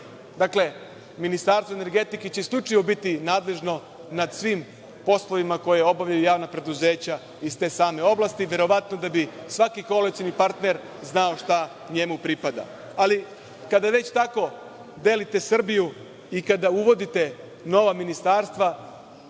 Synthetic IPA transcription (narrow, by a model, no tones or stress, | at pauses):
d̪akle̞ | minist̪aːɾst̪ʋoene̞ɾɡe̞t̪iket͡ɕeslʲut͡ʃajobit̪inaːd̪le̞ʒno̞ | nad̪sʋiːm | po̞sloʋimako̞jeo̞baʋʎajujaːʋnapɾe̞d̪uze̞ːt͡ɕa | ist̪e̞ːsaːme̞o̞blast̪iʋje̞ɾo̞ʋat̪no̞d̪abisʋakiko̞lesinipaɾt̪ne̞ɾ | znao̞ʃt̪a | ɲe̞mupɾipad̪a̰ | ali | kad̪aʋe̞t͡ɕt̪ako̞ | d̪e̞ːlit̪e̞sr̩biju | ikad̪auʋo̞d̪it̪e̞ | no̞ʋaminist̪aːɾst̪ʋa